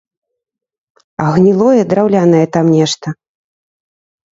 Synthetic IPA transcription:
ɐɣnʲilˠɔjɛd̪ɾawlʲanɐjɛt̪amnʲɛʂt̪ɐ

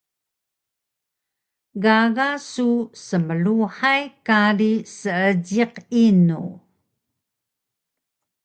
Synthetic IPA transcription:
ɡaɣasusəməluħajkaɾisəəɟiqinṵ

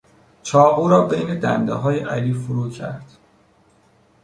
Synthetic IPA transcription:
t͡ʃʰɒːɣuːɾɒːbe̞jne̞d̪æ̰nd̪eɦɒːjeʔæliːfuɾuːcʰæ̰ɾd̪̥

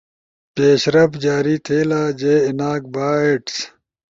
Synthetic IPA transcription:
peːɕɾɐbd͡ʑaːɾiːt̪ʰeːlaːd͡ʑeːinaːk̚baːeʈs

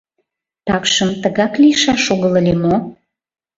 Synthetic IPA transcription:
t̪ɑkʃəmt̪əɣɑklijʃɑʃoɣələlemo

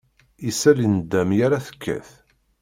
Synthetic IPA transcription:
isælind̪ːæmjaɾaθə̥kʰːæ̰θ

